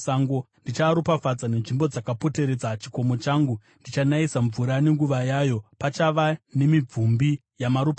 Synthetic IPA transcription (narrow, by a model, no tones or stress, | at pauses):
saŋɡo | ndit͡ʃaɾupafad͡zane̞nʐimbo̞d͡zakapo̞te̞ɾe̞d͡zat͡ʃi̥ko̞mo̞t͡ʃaːŋɡu | ndit͡ʃanaisaɱvuɾane̞ŋɡuʋajaːjo̞pat͡ʃaʋane̞mib͡vumbi | jamaɾupa